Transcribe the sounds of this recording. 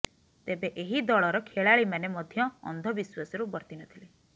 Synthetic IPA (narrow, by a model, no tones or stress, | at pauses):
t̪ebeʔeɦid̪ɔɭɔɾɔkʰeɭaɭimanemɔd̪ʱjɔ̰ːnd̪ʱɔbiswasɔɾubɔɾt̪inɔt̪ʰile